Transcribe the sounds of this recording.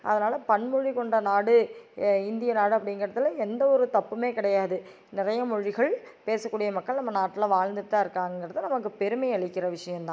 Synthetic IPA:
ʔɐ̰ðɐnaːlɐpɐɳmɔɻikɔɳɖɐnaːɽɯɪnd̪ɪjɐnaːɽɯɐpːɐɽɪŋɡɐɾɪɾɐt̪ːɯlɐɛnd̪ɐɔɾɯt̪ɐpːɯmeːkɪɽɐjaːðɯ | nɪɾɐjɐmɔɻɪɣɐɭ | peːsɐkːuːɽɪjɐmɐkːɐɭnɐmːɐnaːʈːɪlɐʋaːɻnd̪ɯt̪ːaːɪɾɯkːaːŋɡɐɛŋɡɪɾɐðɯnɐmɐkːɯpɛɾɯmɐɪɐɭɪkːɪɾɐʋɪʂɐjɐmt̪ãː

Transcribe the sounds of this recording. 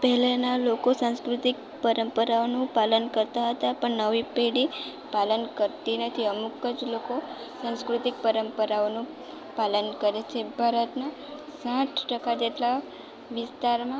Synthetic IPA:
pəɦlanalokosãskɾut̪ik | pəɾəmpəɾaonũpalənkəɾt̪aɦət̪apəɳnəʋipeɽi | palənkəɾt̪inət̪ʰiəmukəd͡ʒloko | sãskɾut̪ik̚pəɾəmpəɾaonũ | palənkəɾet͡ʃʰebʱaɾət̪na | sãʈʰʈəkad͡ʒeʈla | ʋɪst̪aɾmã

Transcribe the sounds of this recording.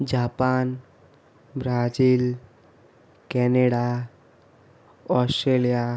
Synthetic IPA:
d͡ʒaːpaːn | bɾad͡ʒiːl | kɛneɽa | ɔsʈɾelija

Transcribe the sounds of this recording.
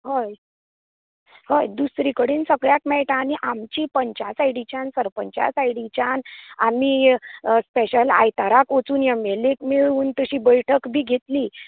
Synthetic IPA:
ɦoj | hojd̪usɾikəɽensəɡɭjakmɛʈañiʔamt͡ɕiːpəɲt͡ɕasajɽit͡ɕãnsəɾpəɲt͡ɕa̰sajɽit͡ɕana̰miːspeɕəla̰jt̪aɾakot͡suːnjamelekmeɭuːnt̪əɕiːbəjʈʰəkbʱiːɡʱet̪liː

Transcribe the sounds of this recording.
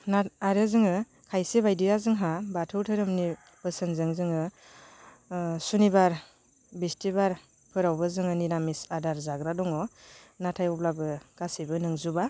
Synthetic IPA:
naaɾɯzɯŋɯ | kʰajsebajdijazɯŋɦabatʰɯwtʰɯɾɯmni | pɯsɯnzɯŋzɯŋɯ | sunibaɾ | bistʰibaɾ | pʰɯɾawbɯzɯŋɯniɾamisadaɾzaɡɾadɔŋɔnatʰajɔp̚labɯɡ̥asibɯnɯŋzuba

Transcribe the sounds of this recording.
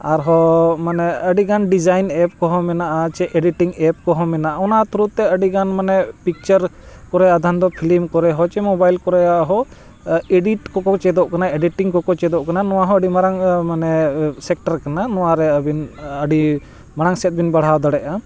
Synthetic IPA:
aɾɦɔmanɛəɖiɡanɖid͡ʒajnɛp̚kɔɦɔmɛnaʔat͡ʃɛʔeɖiʈiŋɛp̚kɔɦɔmɛnaʔaɔnat̪uɾut̪ːɛəɖiɡanmanɛpik̚t͡ʃəɾkɔɾɛjad̪ʱand̪ɔpʰilimkɔɾɛɦɔt͡ʃɛmɔbajlkɔɾɛjaɦɔ | eɖiʈkɔkɔt͡ʃɛd̪ɔʔkanaeɖiʈiŋkɔkɔt͡ʃɛd̪ɔʔkananɔwaɦɔ̃əɖimaɾaŋmanɛsɛk̚ʈaɾkananɔwaɾɛbinəɖi | maɾaŋsɛt̪̚ˀbinbaɽ̤awd̪aɽɛʔa

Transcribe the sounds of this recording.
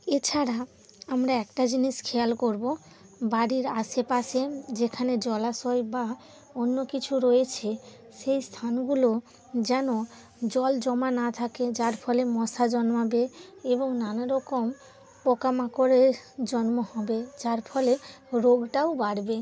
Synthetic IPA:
et͡ɕʰaɾa | amɾaɛkʈad͡ʑiniʃkʰealkoɾbo | baɽiɾaʃepaʃed͡ʑekʰaned͡ʑɔlasojba | onːokit͡ɕʰuɾojet͡ɕʰe | ʃejst̪ʰanɡulo | d͡ʑɛno | d͡ʑɔld͡ʑɔmanat̪ʰaked͡ʑaɾfʰɔlemɔʃad͡ʑɔnmabeeboŋnanaɾɔkom | pɔkamakoɾeɾd͡ʑɔnmohɔbed͡ʑaɾfʰɔleɾoɡʈaobaɽbe

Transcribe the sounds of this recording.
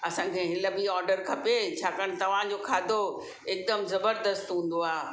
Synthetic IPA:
ɐsãkʰeɦɪlɐbiɔːɾɖəɾkʰɐpet͡ɕʰaːkəɽ̃̆t̪ɐʋ̤ãːd͡ʑokʰaːd̪ʱo | ɪk̚d̪əmzɐbəɾd̪əst̪ɦũːn̆d̪oaː

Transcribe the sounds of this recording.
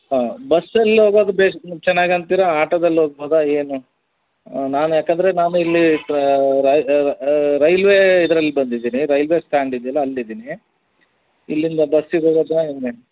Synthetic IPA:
ɦaːbɐsːɐlːiɦoːɡoːd̪ɐbeːt͡ʃɛnːaːɡɐnt̪iːɾɐaːʈɐd̪ɐlːɦoːɡ̚boːd̪ɐeːnu | naːnujaːkɐnd̪ɐɾenaːnuilːi | ɾɐ | ɾɐjlʋeid̪ɐɾɐlːibɐnd̪id̪iːniɾɐjlʋe̞sʈaːɳɖid̪ijɐlːɐːlːid̪iːni | ilːind̪ɐbɐsːidoɡoːd̪aene

